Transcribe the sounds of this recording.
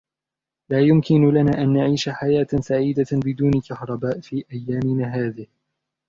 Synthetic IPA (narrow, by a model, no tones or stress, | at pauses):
laːjʊmkɪnʊlanaːʔanːaʕiːʃaħajaːt̪saʕiːd̪abɪd̪uːnkahɾˤɑbaːʔfiːʔajːaːmɪnaːɦaːðɪh